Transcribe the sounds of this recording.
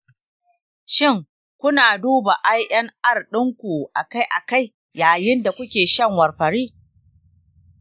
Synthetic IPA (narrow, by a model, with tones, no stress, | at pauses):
ʃɪ˦˨ŋ | kʷʊ˦naː˨duː˦ba˨ʔa˦jʔɐ˦ŋʔa˦˨rɗɪ˦ŋkʷu˨ʔa˨ka˦jʔa˨ka˦j | jaː˨jɪ˦nda˨kʷʊ˦kʲeː˨ʃɐ˦ŋwɐ˨rɸɐ˨ɽiː˦